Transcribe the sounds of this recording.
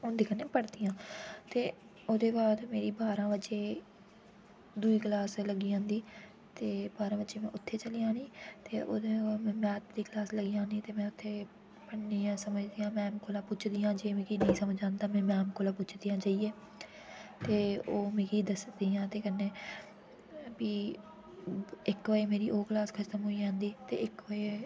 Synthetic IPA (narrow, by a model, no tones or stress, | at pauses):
ʊ̃ːnd̪iːkəneːpəɽd̪ijãːt̪eː | oːd̪eːbaːd̪meːɾiːbaːɾãːʋət͡ʃeː | d̪ʊiːklaːsləɡiːõːnd̪iː | t̪eːbaːɾãːʋət͡ʃeːmɛ̃ːʊt̪ʰːeːt͡ʃəlijãːniːt̪eːʔoːd̪ẽːmɛ̃ːt̪d̪iːklaːsləɡɪjãːniːt̪eːmɛ̃ːʊt̪ʰːeː | pəɳːiːãːsəməd͡ʒd̪iːjãːmɛ̃ːmkoːlaːpʊt͡ʃʰd̪ijãːd͡ʒeːmẽːkiːnəĩːsəməd͡ʒãːnd̪aːmɛ̃ːmɛ̃ːmkoːlãːpʊt͡ʃʰd̪ijãːt͡ʃaːieː | t̪eːoːmẽːkiːd̪əsd̪iːãːt̪eːkənːeː | biː | ɪkʋaːeːmeːɾiːʔoːklaːskʰət̪əmɦoːiːd͡ʒãːnd̪iːt̪ḛːʔɪkʋəeː